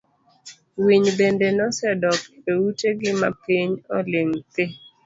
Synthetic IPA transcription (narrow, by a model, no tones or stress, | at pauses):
wiɲbendenɔsɛdɔkewuteɡɪma̰piɲoɔ̰leŋt̪ɪ